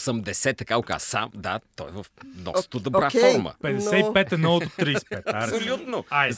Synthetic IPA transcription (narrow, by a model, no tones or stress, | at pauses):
sɐmd̪ɛsɛt̪ːɐkaʊka̰zsa̰md̪a̰t̪ɔɛvəfnɔ̰st̪t̪ud̪ɐbɾakffɔɾmə̰pɛd̪ɛsɛipɛt̪ɛnɔɔt̪ut̪ɾispɛt̪sʊlʲut̪nʊa